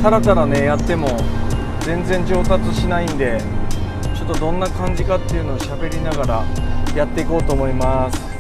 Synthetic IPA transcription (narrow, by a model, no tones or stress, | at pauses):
saɾat̪aɾane̞jat̪ːe̞mo̞ | d͡zẽ̞nd͡zẽ̞ɲ̟d͡ʑo̞ːt̪at͡sɨɕinaĩnd̪e̞ | t͡ɕo̞t̪ːo̞d̪õ̞nːakãɲ̟d͡ʑikat̪ːe̞iɯ̟no̞ːɕabe̞ɾʲinaɡaɾajat̪ːe̞iko̞ːt̪o̞ːmo̞imasɨ̥